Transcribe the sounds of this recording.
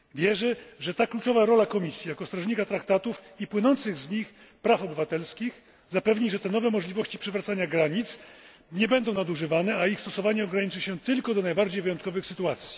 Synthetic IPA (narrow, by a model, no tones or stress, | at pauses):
vʲjɛʐɛʐɛt̪aklut͡ʂɔvaɾɔlakɔmʲisʲjijakɔst̪ɾɔʐɲikat̪ɾakt̪at̪ufipwɘnɔnt̪sɘɣzɲix | pɾafɔbɘvat̪ɛlskʲix | zapɛvɲiʐɛt̪ɛnɔvɛmɔʐlʲivɔɕt͡ɕipʂɛvɾat̪saɲaɡɾaɲit̪s | ɲɛbɛnd̪ɔ̃w̃nad̪uʐɘvanɛaixst̪ɔsɔvaɲɛɔɡɾaɲit͡ʂɘɕɛt̪ɘlkɔd̪ɔnajbaɾd͡ʑejvɘjɔnt̪kɔvɘxsɘt̪uat̪sʲji̥